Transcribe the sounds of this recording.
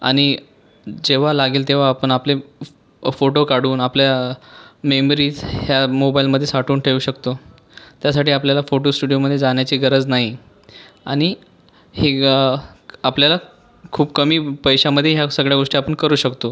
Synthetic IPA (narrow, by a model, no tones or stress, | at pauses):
a̰ɽ̃i | d͡ʑeʋ̤alaɡiːlt̪eʋ̤aːpəɳaple | foʈokaɽuːnaplja | memɾiːhjamobailməd̪ʱːjesaʈuːɳʈʰeuːɕəkt̪o | t̪jasaʈʰiːapljalafoʈosʈuɽijoməd̪ʱːjed͡zaɳjat͡ɕiːɡəɾəd͡znaɦi | a̰ɽ̃i | he | apljala | kʰuːbkəmiːpəjɕaməd̪ʱːjeɦjasəɡɭjaɡoʂʈiapəɳkəɾuːɕəkt̪o